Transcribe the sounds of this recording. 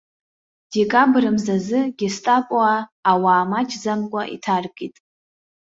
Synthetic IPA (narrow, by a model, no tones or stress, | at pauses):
d̥ekʼabrɨmzazɨɡʲɪstʼapʼwaːwaːmat͡ʃʰzamkʷʼaʔḭtʰarkʼitʼ